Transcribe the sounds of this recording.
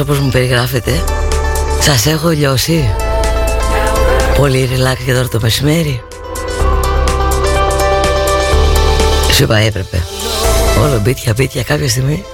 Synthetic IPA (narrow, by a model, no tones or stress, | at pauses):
o̞po̞zmupe̞ɾiɣɾɐfet̪e̞ | sɐse̞xoʎo̞si | po̞liɾilɐksiʝɐt̪o̞ɾɐt̪o̞me̞sime̞ɾi | sipɐepɾe̞pe̞̰ | o̞lobit̪çɐbit̪çɐkɐpçɐs̬t̪iɣmi